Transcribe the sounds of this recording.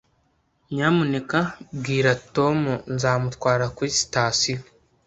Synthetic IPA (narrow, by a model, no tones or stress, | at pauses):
ɲaːmune̞kabɡiːɾatomunzaːmutkwaːɾakwisi̥taːsi